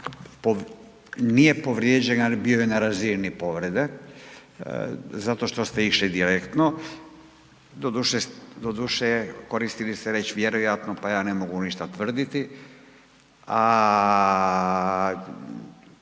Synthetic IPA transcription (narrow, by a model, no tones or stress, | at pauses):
po | nijepoʋɾjed͡ʑenalibiojenaɾaziːɾnipo̞ʋɾed̪e | zat̪o̞ʃt̪ost̪eiʃlid̪iɾekt̪no | d̪od̪uʃesd̪od̪uʃekoɾist̪ilist̪ɛɾet͡ɕʋjeɾojat̪nopajaːnemoɡuniʃt̪at̪ʋr̩d̪it̪i | a